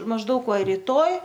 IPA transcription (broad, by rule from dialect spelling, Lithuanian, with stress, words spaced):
mɐʒˈdɐʊk ˈʋɐ rʲiːˈtoːj